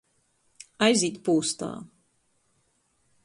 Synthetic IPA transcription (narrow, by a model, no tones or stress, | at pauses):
ajziːt̪puːst̪a̰ː